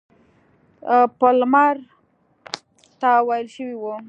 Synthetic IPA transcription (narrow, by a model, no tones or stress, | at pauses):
pəlmaɾ | t̪awajlʃəwiwu